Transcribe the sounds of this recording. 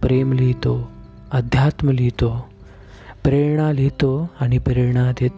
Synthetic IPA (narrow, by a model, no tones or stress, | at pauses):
pɾemlit̪o | əd̪ʱjat̪məlit̪o | pɾeɾɳalet̪oañipɾeɾɳad̪e